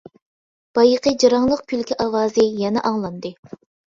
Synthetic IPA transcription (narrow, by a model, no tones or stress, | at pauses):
b̥ɑjəqəd͡ʒɑɾɑŋlˠəq̚kʲʰylkʲʰiʔɑwɑːzɨjɛnɛ̰ʔɑŋlˠɑnd̪ɨ